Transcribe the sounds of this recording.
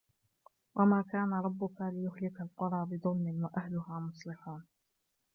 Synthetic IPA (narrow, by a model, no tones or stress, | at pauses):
wʔamaːkaːnaɾˤɑbːʊkalɪjʊhlɪkalqʊɾˤɑːbɪðˤʊlmɪnwaʔahlʊɦaːmʊsˤlɪħuːn